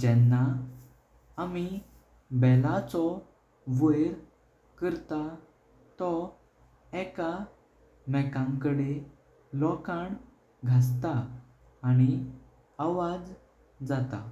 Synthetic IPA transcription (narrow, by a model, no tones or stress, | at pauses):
d͡ʑɛnːa | mi | bɛlat͡sɔ | ʋəjɾ | kəɾt̪a | t̪ɔ | ɛka | mɛkãŋkəɽe | lɔkãɳ | ɡʱas̬t̪aː | ɽ̃i | aʋad͡z | d͡zat̪a